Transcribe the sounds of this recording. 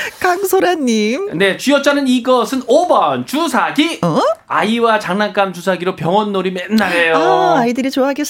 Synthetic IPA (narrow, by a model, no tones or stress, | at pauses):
kaŋsʰoɾaɲːimne̞t͡ɕujʌt͡ɕ͈anɯniɡʌsʰɯnobʌnt͡ɕusʰaɡia̰iwat͡ɕaŋnank͈amt͡ɕusʰaɡiɾopjʌŋʌnːoɾimenːaɾejoaidɯɾit͡ɕoaɦaɡes͈